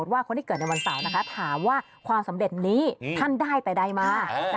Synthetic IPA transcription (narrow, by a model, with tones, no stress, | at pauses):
t̪̚waː˥˩kʰo˧nt̪i˥kɤː˨˩t̪na˧jwa˧nsa˩˦wna˦˥kʰa˦˥t̪ʰaː˩˦mwaː˥˩ | kʰwaː˧msa˩˦mde˨˩t̪̚niː˦˥t̪ʰa˥˩ndaː˥˩jpa˧jda˧jmaː˧˦